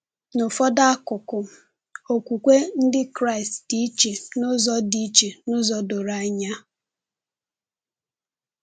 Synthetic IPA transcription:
nʊ˨fɔ˦da˦a˦kʊ˨kʊ˨ | o˨kʷu˨kʷe˦n̩˦dɪ˦kɾa˦ɪ˨stdi˦t͡ʃe˨nʊ˦zɔ˦di˦t͡ʃe˨nʊ˦zɔ˦dʊ˨ɾa˨˦ɲa˦

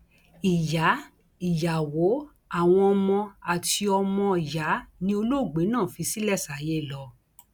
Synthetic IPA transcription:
i˨ja˨˦ | i˨ja˨wo˨˦ | a˦˨w̃ɔ̃˧ɔ˧mɔ̃˧a˨tʰi˧ɔ˧mɔ̃˧˨ja˨˦nĩ˧˦o˧lo˦˨ɡ͡be˨˦nãː˦˨fi˧si˦lɛ˦˨sa˨˦je˦˨lɔ˨˧˦

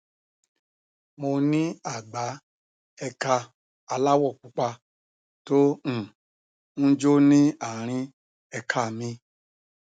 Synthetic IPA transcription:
mo˧nĩ˦a˦˨ɡ͡ba˨˦ | ɛ˧ka˧ | a˧la˦wɔ˦˨k͡pu˧k͡pa˧ | tõ˦˨ | n̩˦d͡ʒo˦nĩ˦a˦˨ɾ̃ĩ˧ | ɛ˧kʰa˦˨mĩ˧

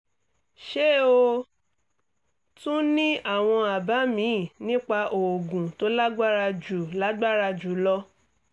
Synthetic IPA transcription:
ʃe˦˨o˧ | tũ˦nĩ˦a˦˨w̃ɔ̃˧a˨ba˨˦mĩ˨˦˨nĩ˦k͡pa˧ʔo˨o˨ɡũ˨to˦la˦ɡ͡ba˦ɾa˧d͡ʒu˨la˦ɡ͡ba˦˨ɾa˧d͡ʒu˨˦lɔ˦

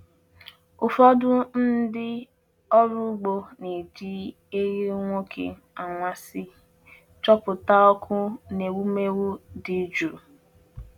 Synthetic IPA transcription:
ʊ˨fɔ˦dʊ˦n̩˦dɪ˦ | ɔ˦ɾʊ˦ɡ͡bo˦ne˨d͡ʒi˦ | e˦ɣi˦ŋʷo˦kʰḛ˨ | a˨ŋʷa˦sɪ˦ | t͡ʃɔ˦pʊ˨ta˦ɔ˦kʰʊ˦ne˨wu˦me˦wu˦di˦d͡ʒu˨ɾ

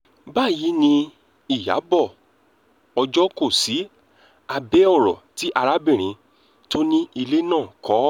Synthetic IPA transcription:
ba˦˨ji˨˦nĩ˧ | i˦˨ja̰˨˦bɔ˦˨ | ɔ˧d͡ʒɔ˦ko˦˨si˨˦ | a˧bɛ˦ɔ˦˨ɾɔ̰˨ti˦ʔa˧ɾa˦bĩ˦˨ɾ̃ĩ˨˧˦ | to˦nĩ˦i˧le˦nãː˦˨kɔ˨˦

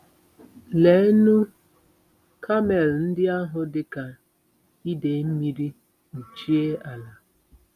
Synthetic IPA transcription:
le˨˦nu˦ | kʰa˦me˨ln̩˦dɪ˦a˦ɦʊ˨dɪ˦ka˨ | i˦de˨m̩˦mi˦ɾi˦ | u˨t͡ʃi˦e˦a˨la˨

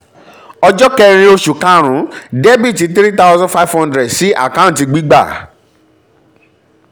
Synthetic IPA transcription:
ɔ˧d͡ʒɔ˦kɛ˧ɾ̃ĩ˧o˧ʃu˨kã˧ɾ̃ũ˨˦dɛ˦bi˦˨ti˨˧˦t̪ɾi˦t̪a˦ʊzã˦fa˦fhɔ̃˦ndɾɛ˨dsi˦ʔa̰˦˨kã˦˨ti˧ɡ͡bi˦ɡ͡ba̰˦˨

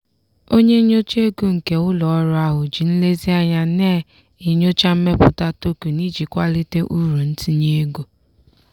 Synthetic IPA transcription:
o˦ɲe˦ɲo˦t͡ʃe˦ɡu˦ŋ̩˨ke˦ʊ˦lɔ˨˦ɾʊ˦a˦ɦʊ˨d͡ʒi˨n̩˦le˦zi˦a˦ɲa˦ne˦˨ | ɪ˨ɲo˦t͡ʃa˦m̩˦me˦pʊ˦ta˦to˦ku˨ni˦d͡ʒi˨kʷa˦lɪ˦te˦ʔu˦ɾu˨n̩˦ti˦ɲe˦e˦ɡu˨

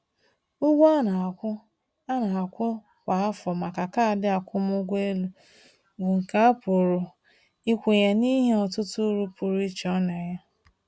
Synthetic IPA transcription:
ʊ˦ɡʷa˦na˨kʷʊ˦ | a˦na˨a˨kʷʊ˦ | kʷa˨a˦fɔ˨ma˨ka˨ka˦a˨dɪ˦a˨kʷʊ˦m˦ʊ˦ɡʷe˦lu˦ | ɡʊ˨ŋ̩˨ka˦a˦pʊ˨ɾʊ˨ | i˦kʷu˨ɲe˨ni˦ɦe˦ɔ˨tʊ˦tʊ˦ɾu˦pu˨ɾi˦t͡ʃɔ˦ne˨ɲa˦

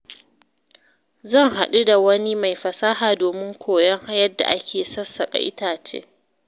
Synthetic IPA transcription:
zɐ˦˨ŋɦa˨ɗu˦da˨wɐ˦ni˦ma˨jɸɐ˨saː˦ɦaː˨doː˨mɪ˦ŋkʷʰoː˨jɐ˦ŋha˦jɐ˦dːa̰˨ʔa˦kʲeː˨sɐ˦sːɐ˨kʼa̰˨ʔɪ̰˦taː˨t͡ʃḛ˦

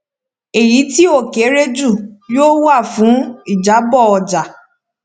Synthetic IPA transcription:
e˨ji˨˦ti˦o˦˨ke˨˦ɾe˦d͡ʒu˦˨joː˦wa˦˨fũ˨˦i˦˨d͡ʒa˨˦bɔ˦˨ɔ˨d͡ʒa˨

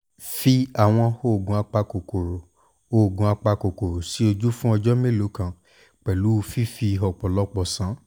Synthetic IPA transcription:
fi˦a˨w̃ɔ̃˧ho˦˨ɡũ˧˦a˧k͡pa˧ko˨ko˨ɾo˨ | o˦˨ɡũ˧˦a˧k͡pa˧ko˨ko˨ɾo˨si˨˦o˧d͡ʒu˦fũ˦ɔ˧d͡ʒɔ˦mẽ˦˨lo˨˦kã˨ | k͡pɛ˨lu˨˦˧fi˦fi˧ɦɔ˨k͡pɔ˨lɔ˦k͡pɔ˨sã˨˦

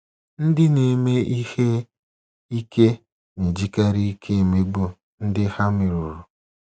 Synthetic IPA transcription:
n̩˦dɪ˦ne˨me˦i˦he˦ | i˦ke˦ | ne˨d͡ʒi˦ka˦ɾi˦i˦kʰe˦˨me˦ɡ͡bo˨ | n̩˦dɪ˦ha˦mɪ˨ɾʊ˨ɾʊ˨

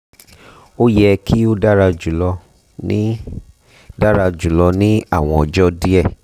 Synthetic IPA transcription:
o˦jɛ˦˧kʰi˦o˦da˦ɾa˧d͡ʒu˨lɔ˧ | ĩ˦ | da˦ɾa˧d͡ʒu˨lɔ˧nĩ˦a̰˦˨w̃ɔ̃˧ɔ˨d͡ʒɔ˦di˦ɛ˦˨

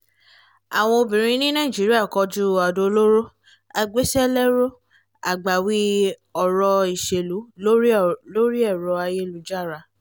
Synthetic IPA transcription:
a̰˨w̃ɔ̃˧o˧bĩ˨ɾ̃ĩ˧˦nĩ˦nã˦i˨d͡ʒi˨˦ɾi˦a˦˨kɔ˧d͡ʒu˦a˨do˧lo˦ɾo˦ | a˧ɡ͡be˦sɛ˦lɛ˦ɾo˦ | a̰˨ɡ͡ba˨wi˦ɔ˨ɾɔ˧i˨ʃe˨lu˨˦lo˦ɾlo˦ɾi˦ɛ˦˨ɾɔ˧a˧je˦lu˨˦d͡ʒa˦˨ɾa˧

